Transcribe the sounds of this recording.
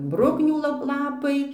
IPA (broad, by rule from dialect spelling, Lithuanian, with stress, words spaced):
ˈbrʊknʲuː lˠɐ ˈlˠɑːpɐɪ